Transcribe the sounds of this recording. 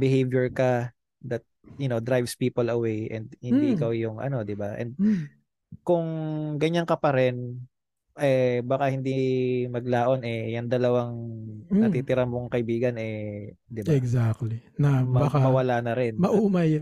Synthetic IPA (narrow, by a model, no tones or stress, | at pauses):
bɪɦejvjɛɹkɐ | d̪ɐt̪̚jʊno̞d̪ɾajvspiːpɐlɐwejʔɛ̰nd̪̚hɪnd̪iɪkawjʊŋʔɐ̰no̞d̪ɪbaʔɛ̰nd̪̚ | kʊŋɡɐɲaŋkɐpɐɾɛn | ʔɛbakahɪnd̪imɐɡ̚laːʔo̞nɛjɐŋd̪ɐlɐwaŋɐt̪iːt̪ɪɾɐmoŋkɐʔɪbiːɡɐnɛd̪ɪbɛɡzakt̪linɐmbakamɐwɐlaːnɐɾɛnmɐʔumɐj